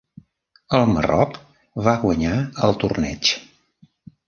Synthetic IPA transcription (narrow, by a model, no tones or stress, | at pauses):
əlˠmə̰rɔk | βaɣwəɲaəlˠt̪urnɛ̰t͡ʃ